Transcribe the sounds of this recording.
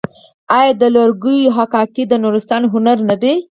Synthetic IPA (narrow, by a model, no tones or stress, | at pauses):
ɑjɑd̪əlaɾɡujɦakɑkid̪ənuɾɪst̪ɑnɦʊnaɾnad̪e